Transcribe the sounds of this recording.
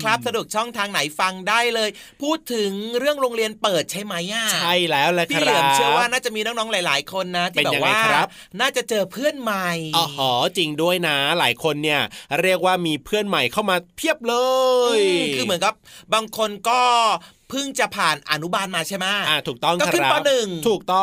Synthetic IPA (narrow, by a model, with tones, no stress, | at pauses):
kʰɾa˦˥p̚sa˧du˨˩ək̚t͡ɕʰɔ˥˩ŋt̪ʰaː˧ŋna˩˦jfa˧ŋdaː˥˩jlɤː˧j | pʰuː˥˩t̪ʰːɯ˨˩˦ŋɾɯ˥˩əŋɾoː˧ŋɾi˧ənpɤː˨˩t̪̚t͡ɕʰa˥˩jma˦˥jʔa˧˩t͡ɕʰa˥˩jlɛː˦˥wlɛː˦˥k̪ʰa˥˧˩ɾɯ˩˦ə˦t͡ɕʰɯ˥˩əwaː˥˩naː˥˩t͡ɕa˨˩miː˧nɔ˦˥ŋnɔː˦˥ŋlaː˨˦jlaː˩˦jkʰo˧nːa˦˥t̪ʰiː˥e˧bɛː˨ja˧˩wa˧jːkʰɾa˦˥ | naː˥˩t͡ɕa˨˩t͡ɕɤː˧pʰɯ˥˩ənma˨˩jʔːɦɔː˨˩˦tt͡ɕi˧ŋdu˥˩əjna˦˥la̰ː˩˦jkʰo˧nːi˥˩ɐɾi˥˩ək̚waː˥˩miː˧pʰɯ˥˩ənma˨˩jkʰa˥˩wmaː˧pʰi˥˩əp̚lɤː˧jkʰɯː˧m˩˦nka˧˨˦p̚baː˧ŋkʰo˧nkɔː˥˩ | pʰɯ˥˩ŋt͡ɕa˨˩pʰaː˨˩nʔa̰˧nu˦˥baː˧nmaː˧t͡ɕʰa˥˩jma˦˥ʔaː˧˩t̪ʰuː˨˩k̚t̪ɔ˥˩ŋkːʰkʰːa˦pɔː˧˥nɯ˨˩ŋt̪ʰuː˨˩k̚t̪ɔ˥˩